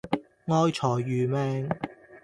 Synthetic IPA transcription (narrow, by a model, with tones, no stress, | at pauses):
ŋɔː˧jt͡ʃʰɔː˨˩jːyː˨mɛː˧ŋ